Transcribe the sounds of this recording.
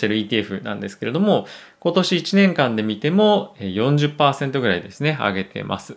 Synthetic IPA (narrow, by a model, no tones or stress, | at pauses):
t̪e̞ɾɯ̟iːt̪iːeɸɯ̟nã̰nd̪e̞sɨ̥ke̞ɾe̞d̪omo̞ | ko̞t̪o̞ɕiːt͡ɕinẽ̞ŋkãnd̪e̞mʲit̪e̞mo̞ejõ̞ɲ̟d͡ʑɨpːaːse̞nt̪oɡɯ̟ɾaid̪e̞sɨne̞a̰ɡe̞t̪e̞̰mʔa̰sɨ̥